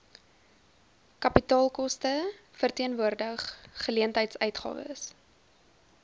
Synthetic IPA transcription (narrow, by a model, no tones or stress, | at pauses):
kɐpitɑːlˠkɔstə | fərtiənvuərdəχːəliəntɦəjtsœɥtχɑ̰ːvə̰s